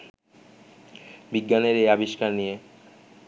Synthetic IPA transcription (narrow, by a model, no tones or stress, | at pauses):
biɡːaneɾeabiʃkaɾnije